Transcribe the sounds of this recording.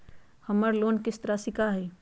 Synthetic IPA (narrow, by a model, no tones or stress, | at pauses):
həməɾloːnkɪst̪əɾasɪkaɦɛ